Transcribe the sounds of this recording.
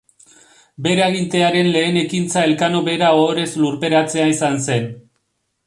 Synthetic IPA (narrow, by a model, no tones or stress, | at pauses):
be̞ɾaɣ̞int̪e̞aɾe̞nle̞ːne̞kint͡sae̞lkano̞βe̞ɾaoɾe̞sluɾpe̞ɾat͡se̞aisanse̞n